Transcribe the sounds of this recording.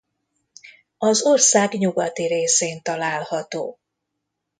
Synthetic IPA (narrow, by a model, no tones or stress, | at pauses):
ɒzorsaːɡɲuɡɒt̪iɾeːseːnt̪ɒlaːlhɒt̪oː